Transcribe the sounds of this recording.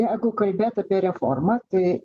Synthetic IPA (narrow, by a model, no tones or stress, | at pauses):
jæɪɡʊkɐlʲbʲeːt̪ɐpʲiɛɾʲɛformɐt̪ɐɪ